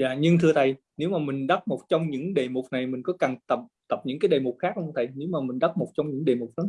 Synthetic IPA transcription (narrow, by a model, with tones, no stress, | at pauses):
jaː˧˨ɲɨ˧ŋt̪ʰɨ˧ət̪ʰə˨˩j | ne˨˦wmaː˨˩mï˨˩ŋ̟ɗa˦˥t̚mo˨˩t̚t͡ɕɔ˧wŋ͡mɲɨ̰˧˥ŋɗe˨˩mʊ˨˩k͡p̚na˨˩jmï˨˩ŋ̟kɔ˨˦ka˨˩ŋt̪ə˨˩p̚t̪ə˨˩p̚ɲɨ̰˧˥ŋkaː˨˦jɗe˨˩mu˨˩k͡p̚xaː˦˥k̚hə˧t̪ʰə˨˩jne˨˦wmaː˨˩mï˨˩ŋ̟ɗa˦˥t̚mo˨˩t̚t͡ɕɔ˧wŋ͡mɲɨ̰˧˥ŋɗe˨˩mu˨˩k͡p̚lə˨˦